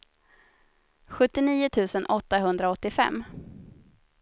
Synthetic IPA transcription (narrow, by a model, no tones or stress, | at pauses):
ɧɵt̪ːɪniːʊt̪ʰʉ̟ːsənʔɔt̪ːaɦɵnd̪ɾaɔt̪ːɪfɛ̰mː